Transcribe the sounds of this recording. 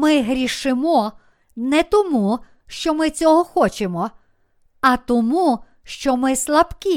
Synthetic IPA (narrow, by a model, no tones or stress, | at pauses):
mɪɦɾʲiʃɪmɔ | nɛt̪ɔmu | ʃt͡ʃɔmɪt͡sʲɔɦɔxɔt͡ʃemɔ | ɐt̪ɔmu | ʃt͡ʃɔmɪslˠɐbkʲi